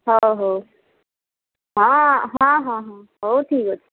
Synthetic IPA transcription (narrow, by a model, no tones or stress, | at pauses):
ɦoɦoː | ɦãɦãɦãɦãɦoːtʰiːkot̪ʰi